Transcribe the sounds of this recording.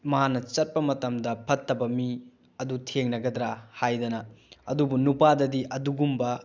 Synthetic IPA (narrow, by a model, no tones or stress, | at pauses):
mɐanɐt͡ʃɐt̚pɐmɐtɐmdɐpʰɐtʰːɐbɐmi | ɐdutʰeŋnɐɡɐdɾahajdɐnɐɐdubunupadɐdiʔɐduɡumbɐ